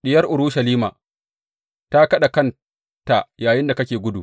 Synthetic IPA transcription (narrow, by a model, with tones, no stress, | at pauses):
ɗɪ˦jɐ˦rʔʊ˨ɾʊ˦ʃɐ˨liː˦ma̰ː˨ | ta˦kɐ˦ɗa˨kɐ˦n | ta˨jaː˨jɪ˦nda˨kɐ˦kʲeː˨ɡʷʊ˦dṵ˨